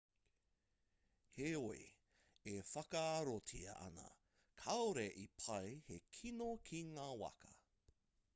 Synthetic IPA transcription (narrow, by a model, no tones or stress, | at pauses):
heei | efɐkɐaɾotʰiɐ̰ʔɐ̰nɐ̰ | kʰɐwɾeʔipʰɐjhekʰinokʰiŋaːwɐ̰kɐ